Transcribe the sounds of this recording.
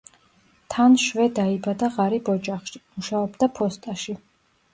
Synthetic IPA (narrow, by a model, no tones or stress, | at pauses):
t̪ʰanʃvɛd̪aibad̪aʁaɾibɔd͡ʒʼaχʃi̥muʃaɔbd̪apʰɔst̪ʼaʃi